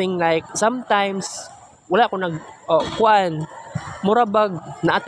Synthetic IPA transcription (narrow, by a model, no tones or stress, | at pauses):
ɪ̃ŋlajk̚sãmt̪ãjms | walaʔakʊnaɡʔokʊʔanmʊɾabaɡ̚naʔat̪